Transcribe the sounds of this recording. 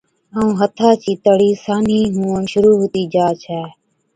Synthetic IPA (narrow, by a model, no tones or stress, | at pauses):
əũːɦət̪ʰaːt͡ʃiːt̪əɽiːsaːniːɦũːəɳʃʊɾuːɦot̪iːd͡ʒaːt͡ʃʰɛː